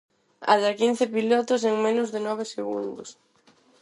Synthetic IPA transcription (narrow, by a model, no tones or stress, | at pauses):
a̰ðakin̟θɪpilɔt̪ʊs̬eŋmẽnʊzðɪnɔβ̞eseɣṵnd̪ʊs